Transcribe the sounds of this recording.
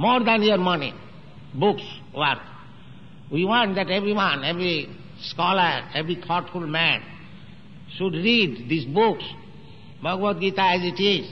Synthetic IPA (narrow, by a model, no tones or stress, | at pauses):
moɾd̪æ̃niəɾmʌnḭ | bʊks | wʌɾk̪ | wiwɔ̃ɳʈd̪æʈebɾiwʌ̃nebɾi | skɔləɾebɾit̪ʰɔʈfulmæ̃n | ʃuɖɾiɖd̪isbuks | bʱʌɡʋəd̪̚ɡit̪aæziʈiz